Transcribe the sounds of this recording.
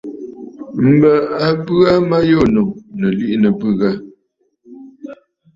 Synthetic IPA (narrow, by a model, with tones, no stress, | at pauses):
m̩˨bə˨a˨bʉ˦a˦ma˦jo˦˨no˨nə˨li˦ʔnə˨bʉ˦˨ɣa˦